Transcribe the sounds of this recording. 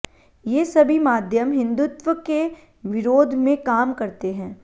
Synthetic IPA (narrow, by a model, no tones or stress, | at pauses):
jeːsɐbʱimaːd̪ʱjəmɦɪ̃nd̪ʊt̪ʋwəke | ʋɪɾoːd̪ʱmẽkaːmkɐɾt̪eɦɛ̃ː